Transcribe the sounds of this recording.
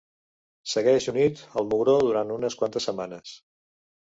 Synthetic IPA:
səɣɛʒunit̪əlˠmuɣɾoðuɾant̪unəskwant̪əsəmanəs

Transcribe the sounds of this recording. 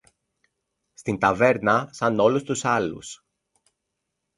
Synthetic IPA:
st̪int̪ɐve̞ɾnɐsɐno̞lust̪usɐlṵs

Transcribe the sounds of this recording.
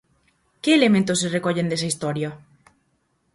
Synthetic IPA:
keːlemẽnt̪osːerekoʎend̪es̬aist̪oɾja

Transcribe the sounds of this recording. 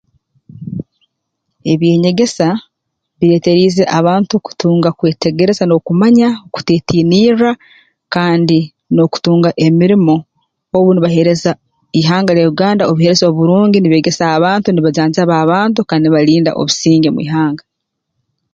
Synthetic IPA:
e̞βje̞ːɲe̞ɡe̞sa | βiɾe̞ːte̞ɾiːze̞ʔaβaːntuku̥tuːŋɡakwe̞ːte̞ɡe̞ɾe̞zano̞kumaɲaoku̥te̞ːtiːniːɾa | kaːndi | no̞ku̥tuːŋɡaʔe̞miɾimo̞ | oβuniβaɦe̞ɾe̞za | iɦaːŋɡaɾejuɡaːndaoβuhe̞ɾe̞zoβuɾuːɲɟiniβe̞ːɡe̞saːβaːntuniβaɟaːɲzaβaːβaːntukaːndiβaɾiːnda̰ʔo̞̰βusiːŋɡemuḭɦaːŋɡa

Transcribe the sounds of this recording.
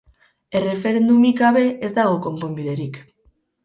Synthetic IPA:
e̞re̞fe̞ɾe̞nd̪umikaβe̞ʔezd̪aɣ̞o̞ko̞mpo̞mbiðe̞ɾik

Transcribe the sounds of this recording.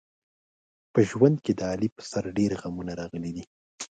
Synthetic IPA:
pəʒwand̪ked̪əɑlipə̥saɾɖeɾɣamunaɾɑɣəlid̪i

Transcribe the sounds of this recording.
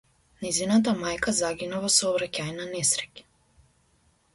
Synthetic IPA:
najzinat̪̬amajkazaɡinavasɔːvɾacajnanɛsɾɛc

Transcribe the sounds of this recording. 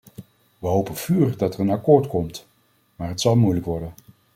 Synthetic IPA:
ʋəɦowpənv̥yːrdɑtərənɑkoːɹtkɔmt | maːɹɦətsɑlˠmujləkʋɔɹdən

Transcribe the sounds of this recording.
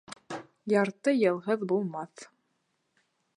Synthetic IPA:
jɑɾt̪ɤjɤ̆lˠɦɤðbulˠmɑθ

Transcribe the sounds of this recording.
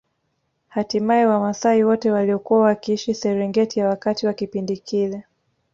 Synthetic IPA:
hatimaiwamasaiwɔtɛwaliɔkuwawakiiʃisɛɾɛŋɡɛtijawakatiwakipindikʰilɛ

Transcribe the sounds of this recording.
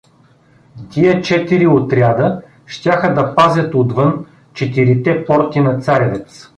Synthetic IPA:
t̪ʲiɛt͡ʃɛt̪iɾiot̪ɾʲjad̪ə | ʃt̪ʲaxəd̪ɐpazʲɐt̪od̪vɤn | t͡ʃɛt̪iɾit̪ɛpɔɾt̪inɐt̪saɾʲɐvɛt̪s

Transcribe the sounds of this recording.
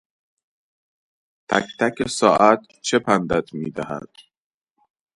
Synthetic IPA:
t̪ʰækt̪ʰækʰesɒːʔæt̪ | t͡ʃʰe̞pʰænd̪æt̪ʰmiːd̪æhæ̰d̪̥

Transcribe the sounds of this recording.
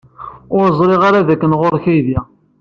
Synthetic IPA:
ʊɾzˤɾɪʁaɾaðækːənʁoɾçæjðjæ

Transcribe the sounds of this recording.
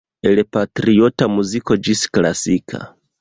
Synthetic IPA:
ɛlɛpatɾiɔtamuzikɔd͡ʒisi̥klasikʰa̰

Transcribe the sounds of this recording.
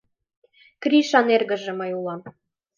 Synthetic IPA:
kriʃɑnerɣə̆ʒĕməjulɑm

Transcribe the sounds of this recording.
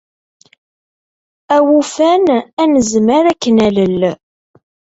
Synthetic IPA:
æwufænænəzməɾækːənæləl

